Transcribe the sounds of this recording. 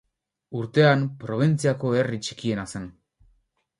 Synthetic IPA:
uɾt̪e̞anpɾo̞β̞int͡siako̞e̞rit͡ʃi̥kie̞nasan

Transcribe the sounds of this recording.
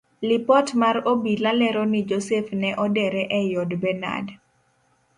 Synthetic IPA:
lɪpɔtmarobilalɛɾɔnɪd͡ʒosefnɛʔɔdɛɾɛʔɛjɔdbɛna̰d

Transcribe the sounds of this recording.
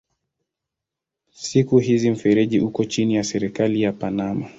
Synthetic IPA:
sikuɦizim̩fɛɾɛʄiʔukɔt͡ʃinijasɛɾɛkalijapanama

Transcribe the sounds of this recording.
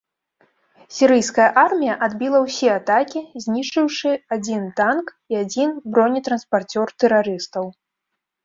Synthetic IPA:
sʲiɾɨjskɐjɐʔarmʲijɐʔad̪bʲilˠɐwsʲɛat̪akʲizʲnʲit͡ʂɨwʂɨad͡zʲint̪ank | iad͡zʲinbɾɔnʲit̪ɾɐnspart͡sʲɔrt̪ɛɾaɾɨst̪ɐw

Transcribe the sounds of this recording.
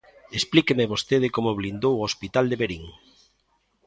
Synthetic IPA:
esplikemeβost̪eð̞ɪkomoβlind̪owospit̪ald̪eβeɾiŋ

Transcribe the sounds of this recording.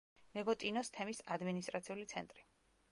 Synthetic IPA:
mɛɡɔt̪ʼinɔst̪ʰɛmisad̪minist̪ʼɾat̪sʰiulit̪sʰɛ̰nt̪ʼɾi

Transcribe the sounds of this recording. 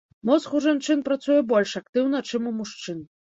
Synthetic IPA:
mɔsxuwʐant͡ʂɨnpɾat̪sujɛbɔlʲʂakt̪ɨwnɐt͡ʂɨmumuʂt͡ʂɨn

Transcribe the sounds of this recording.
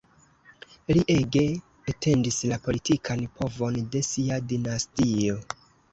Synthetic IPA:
liʔe̞ɡe̞ː | tʰe̞ndislapo̞litʰikʰanpʰo̞vo̞nde̞siadinastio̞

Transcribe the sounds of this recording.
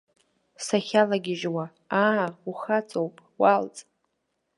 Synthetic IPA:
saχʲalaɡʲɪʒwa | auχat͡sʼowpʼwalt͡sʼ

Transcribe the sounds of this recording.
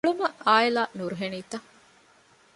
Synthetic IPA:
ɭumɐaːelaːnuɾuɦeniːt̪ɐ

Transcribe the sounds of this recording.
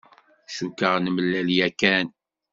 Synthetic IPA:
ʃukːəʁnəməlːæljækæn

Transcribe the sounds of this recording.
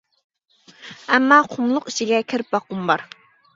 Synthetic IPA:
ɛmːɑqʰʊmlˠʊqit͡ʃʰiɡʲɛkʲʰiɾp̚bɑqːʊmbɑɾ

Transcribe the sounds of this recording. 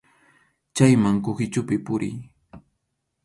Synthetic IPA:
t͡ʃajmaŋkʊxɪt͡ʃʊpɪpʊɾɪ̰j

